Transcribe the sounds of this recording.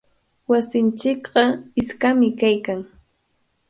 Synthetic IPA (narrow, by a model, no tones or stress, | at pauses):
wasɪnt͡ʃɪkɢɑɪskamɪkajkaŋ